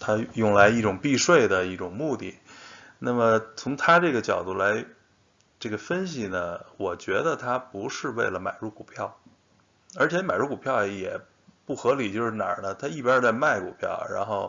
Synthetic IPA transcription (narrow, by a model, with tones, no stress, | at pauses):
t̪ʰa˥jʊ˥˩ŋla˧˥ɪi˥˩ʈ͡ʂʊ˨˩ŋpi˥˧ʂwe˥˩ɪd̪ə˩i˥˩ʈ͡ʂʊ˨˩ŋmu˥˧t̪ḭ˥˩ | na˥˩mə˩t͡sʰʊ˧˥ŋt̪ʰa˥ʈ͡ʂɤ˥˩ɡə˩t͡ɕjɑ˨˩ʊt̪u˥˩la˧˥ɪ | ʈ͡ʂɤ˥˩ɡə˩fə˥nɕi˨˩nə˩wɔ˨˩t͡ɕɥɛ˧˥d̪ə˧t̪ʰa˥pu˧˥ʂɻ̩˥˧we˥˩ɪlə˩ma̰˨˩ɪɻu˥˩ku˨˩pʰjɑ˥˩ʊ | ə˞˧˥t͡ɕʰjɛ˧˥ma˨˩ɪɻu˥ku˨˩pʰjɑ˥˩ʊjɛ˨˩ | pu˥˩xɤ˧˥li˨˩t͡ɕjo˥˧ʊʂɻ̩˥˩na̰˨˩nə˦t̪ʰa˥i˥˩pja˞˥t͡sa˥˧ɪma˥˩ɪkṵ˨˩pʰjɑ̰˥˩ʊɻa̰˧˥nxo˥˩ʊ